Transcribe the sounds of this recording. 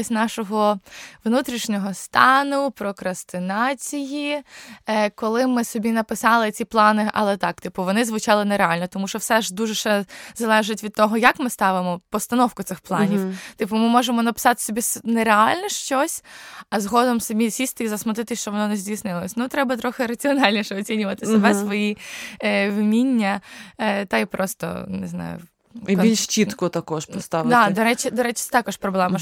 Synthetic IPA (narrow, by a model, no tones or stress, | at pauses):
sʲnɑʃɔɦɔʋnut̪ɾʲiʃnʲɔɦɔst̪ɑnʊpɾɔkɾɐst̪ɪnɑt͡sʲiji | kɔlˠɪmɪsɔbʲinɐpɪsɑlˠɪt͡sʲiplˠɑnɪʔɐ̰lˠɛt̪ɑk̚t̪ɪpʊʋɔnɪzʋʊt͡ʃɑlˠɪnɛɾeɑlʲnɔt̪ɔmuʃt͡ʃɔwsɛʒd̪uʒɛʃɛzɐlˠɛʒɪtʲʋʲid̪̚t̪ɔɦɔjɐkmɪst̪ɑʋɪmɔpɔst̪ɐnɔwkʊt̪sɪxplˠɑnʲiwt̪ɪpʊmɪmɔʒemɔnɐpɪ̥sɑt̪ɪ̥sɔbʲisnɛɾealʲnɛʃt͡ʃɔsʲɐzɦɔd̪ɔmsɐbʲisʲisʲt̪ɪizɐsmɐt̪ɪt̪ɪʃt͡ʃɔʋɔnɔnɛzʲdʲijsnɪlˠɐsʲnut̪ɾɛbɐt̪ɾɔxɪɾɐt͡sʲiɔnɑlʲnʲiʃɛɔt͡sʲinʲʊʋɐt̪ɪsɔbɛsʋɔji | ʋmʲinʲːɐ | t̪ajpɾɔst̪ɔ̰nɪznɑ̰jʊ̰ | iilʲʃt͡ʃit̪kɔt̪ɐkɔʃpɔst̪aʋd̪ad̪ɔɾɛt͡ʃɪd̪ɔɾɛt͡ʃɪ̥t̪ɑkɔʃpɾɔblˠɛmɐ